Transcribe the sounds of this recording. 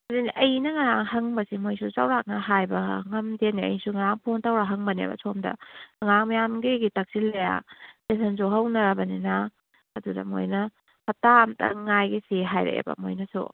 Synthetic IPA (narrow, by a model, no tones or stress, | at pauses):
ɐdiniʔɐjnɐŋɐɾaŋhɐŋbɐsimojsut͡ʃawɾak̚nɐɦajbɐŋɐmdeniɐ̰jsuŋɐɾaŋpʰontawɾaɦɐŋbɐnḛbɐ̰sʰomdɐ̰ɐŋaŋmɐjamɡiɡitak̚silːeja̰tesɐnzoɦɐwnɐɾɐbɐninɐ | ɐdudɐ̰mo̰jnɐ | hɐtamtɐ̰ŋajɡiseɦajɾḛḛbɐ̰mo̰jnɐsṵ